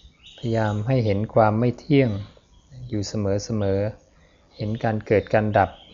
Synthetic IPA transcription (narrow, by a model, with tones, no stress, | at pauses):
pʰajjaː˧mɦa˥˩jɦe˩˦nkʰwaː˧mːa˥˩jt̪ʰi˥˩əŋ | juː˨˩sa˧mɤː˩˦sa˧mɤː˩˦ | he˩˦nkaː˧nkɤː˨˩t̪̚ka˧nda˨˩p̚